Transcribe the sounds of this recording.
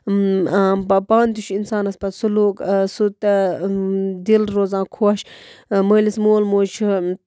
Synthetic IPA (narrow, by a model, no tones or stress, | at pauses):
bpaːnt̪uʃʰinsaːnɐspɐsuluːksut̪ɐ | d̪ilɾoːzãːkʰoːʃməːlismoːlmoːt͡ʃʰ